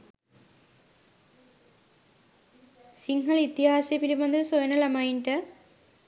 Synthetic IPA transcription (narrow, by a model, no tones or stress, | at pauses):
siŋɡɐɭit̪ːihaːsepiɾimɐnd̪ɐɾsojɐnɐlɐmɐjnɖɐ